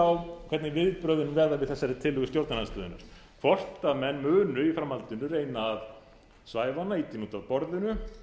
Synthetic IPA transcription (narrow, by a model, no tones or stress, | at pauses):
awkʰvɛt̪nɪvɪðpɾœːðʏnvɛːɾðavɪðθɛsːaɾɪt̪ʰɪlhʏɣʏst̪jowɾt̪nananst̪œːðʏna̰ɾ̥ | fɔr̥t̪amɛnːmœːnʏifɾamhalt̪ʏnʏreːjnaːð | svaːjvanait̪inuːt̪aðpɔɾðʏnʏ